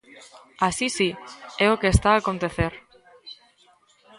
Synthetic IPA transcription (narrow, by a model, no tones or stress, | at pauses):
asisiɛokeːst̪aaːkont̪eθeɾ